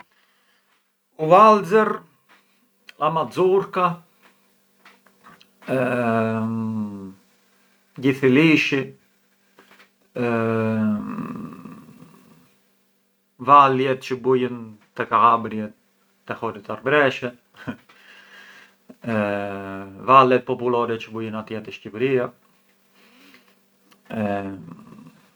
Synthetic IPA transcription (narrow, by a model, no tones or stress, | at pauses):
uvalzɛɾ | amad͡zuɾka | ɡiθiliʃi | valjɛt̪t͡ʃəbujənt̪ɛkaabɾjɛ | t̪ːɛhɔɾit̪aɾbɾɛʃɛ | valɛt̪̚pɔpulɔɾɛt͡ʃəbujənat̪jɛt̪ɛʃcipɾia